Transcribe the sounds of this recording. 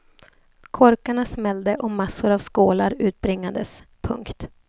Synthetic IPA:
kʰɔɾkaɳasmɛld̪əʔɔmasːʊɾavskoːlaɾʉ̟ːt̪̚bɾɪŋːad̪əspʰɵ̰ŋkt̪

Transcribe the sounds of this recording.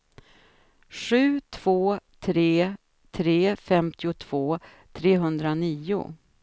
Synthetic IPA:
ɧʉ̟ːt̪ʰv̥oːt̪ʰɾeː | t̪ʰɾeːfɛmt̪ɪʊt̪ʰv̥oː | t̪ʰɾeːɦɵnd̪ɾaniːʊ̰

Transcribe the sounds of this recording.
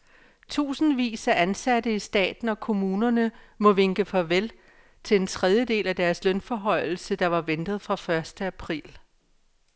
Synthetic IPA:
t͡sʰṵːsn̩ʋḭːsæʔænsæd̥əisd̥ɛ̰ːd̥n̩ɒ̽kʰo̝muːnɐnəmɔ̽ʋe̝ŋɡ̥əfɒʋel | t͡sʰe̝le̝nt͡sʰʁɛð̞ˠjəd̥e̝̰ːlæd̥æɐslœnfɒɦɒ̽ɪ̰l̩səd̥ɑ̈ʋɑ̈ʋend̥ð̞̩ˠfʁɑ̈fɶɐsd̥əæpʰʁḭːl

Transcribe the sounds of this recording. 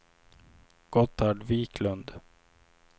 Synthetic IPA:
ɡ̥ɔt̪ʰːaɖviːkʰlɵnd̪

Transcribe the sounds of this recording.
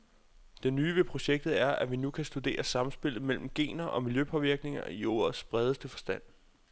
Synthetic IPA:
d̥e̝nyːʋe̝pʰʁo̝ɕeɡ̥̚d̥ð̩ˠæɐʔæʋinukʰæsd̥ud̥e̝̰ːɐsɑ̈mm̩sb̥e̝l̰ð̞̩ˠmel̰m̩ɡ̥e̝̰ːnɐʔɒ̽miljøpʰɒ̽ʋiɐɡ̥ne̝ŋɐ̰iɔ̰ːɐð̩ˠsb̥ʁɛːð̞ˠəsd̥əfɒ̽sd̥æn̰

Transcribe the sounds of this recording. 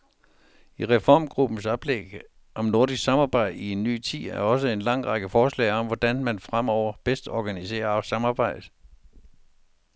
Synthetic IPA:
iʁɛfɒ̰ːmɡ̥ʁub̥n̩sɑb̥ʰleɡ̥ | ʔɒ̽mno̝ɐd̥isɡ̥sɑ̈mɑ̈ːb̥ɑ̈ɪ̰d̥ie̝nːy̰ːt͡sʰḭðˠæɐɒ̽s̬əe̝nlɑ̈ŋ̰ʁɑ̈ɡ̥əfɒːslɛ̰ːɪɒ̽mʋɒd̥ænmænfʁam̰ɒʊ̰ɐb̥esd̥ɒːɡ̥ænise̝̰ːɐsɑ̈mɑ̈ːb̥ɑ̈ɪ̰d̥̩ˠ

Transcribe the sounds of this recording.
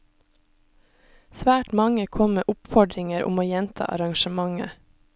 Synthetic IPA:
sʋæːʈmɑŋəkʰɔmmeːʔʊpfɔɖɾɪŋəɾʊ̰moːjɛnt̪ʰɑ̰ːʔɑ̰ɾɑŋʃəmɑŋə̰

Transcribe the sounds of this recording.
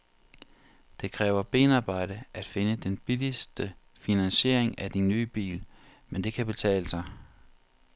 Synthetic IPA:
d̥e̝kʰʁɛːʊɐb̥e̝̰ːnɑ̈ːb̥ɑ̈ɪ̰ɾ̥əʔæd̥fe̝nəd̥enb̥ilisd̥ə | finænsɕe̝ɐ̰eŋæd̥inːyːb̥ḭːl | mend̥e̝kʰæb̥e̝t͡sʰɛ̰ːləsɑ̈ɪ

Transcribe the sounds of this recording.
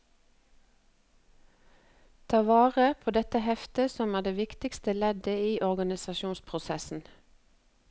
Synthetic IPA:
t̪ʰɑːʋɑːʁəpʰoːd̪ɛt̪əhɛft̪əsɔmæːd̪eːʋɪkt̪ɪkst̪əlɛd̪əiːʔɔʁɡɑnɪsɑʃuːnspʰʁʊsɛsn̩

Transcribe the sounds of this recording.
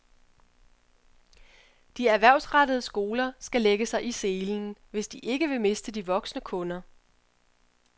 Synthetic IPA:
d̥iæɐʋæɐ̰ʊsʁad̥əð̞ˠsɡ̥o̝ːlɐsɡ̥æleɡ̥əsɑ̈ɪʔise̝ːln̩ʋe̝sd̥iʔe̝ɡ̥əʋe̝me̝sd̥əd̥iʋɒ̽ɡ̥snəkʰɔ̽nɐ

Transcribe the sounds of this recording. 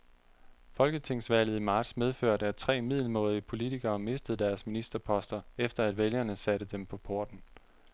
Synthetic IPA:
fɒ̽lɡ̥ət͡sʰe̝ŋ̰sʋæl̰ð̩ˠimɑ̈ːd̥smeð̞ˠføɐ̰d̥æɐst͡sʰʁɛ̰ːmið̞̰ˠl̩mɔ̰̽ːðˠipʰo̝lit͡sʰiɡ̥ɐːme̝sd̥əð̩ˠd̥æɐsminisd̥ɐpʰɒ̽sd̥ɐefd̥ɐæd̥ʋeljɐnəsæɾ̥əd̥empʰɒ̽pʰo̝ːd̥n̩

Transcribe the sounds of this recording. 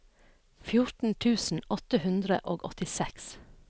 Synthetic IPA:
fjʊɹtn̩t̪ʰʉːsn̩ɔt̪əhʉnd̪ɾə̰ʔoːɡɔt̪ɪsɛks

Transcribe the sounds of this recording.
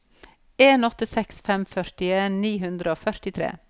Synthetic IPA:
eːnɔt̪əsɛksfɛmfœɾtɪeːnniːɦʉnd̪ɾəoːfœɾʈɪt̪ʰɾḛː

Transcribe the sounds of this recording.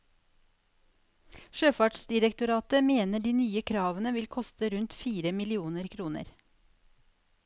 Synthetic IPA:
ʃøːfɑːʈsd̪ɪɾɛkt̪ʊɾɑːt̪əmeːnəɖiːnyːəkʰɾɑːʋənəʋɪlkʰɔst̪əɾʉnt̪fiːɾəmɪlɪuːnəɾkʰɾuːnə̰ɾ

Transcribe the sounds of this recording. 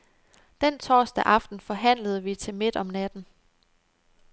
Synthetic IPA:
d̥ent͡sʰɒ̰ːsd̥æʔɑ̈fd̥n̩fɒ̽ɦæn̰ləð̞̩ˠʋit͡sʰe̝lme̝d̥ɒ̽mnæd̥n̩

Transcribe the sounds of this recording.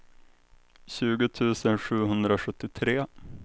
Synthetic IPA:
ɕʉ̟ːɡʊt̪ʰʉ̟ːsənɧʉ̟ːɦɵnd̪ɾaɧɵt̪ːɪt̪ʰɾeː

